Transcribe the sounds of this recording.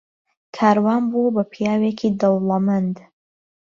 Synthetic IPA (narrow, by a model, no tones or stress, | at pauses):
kʰaːɾwaːnbubɐpʰjaːwekʰid̪owlamand̪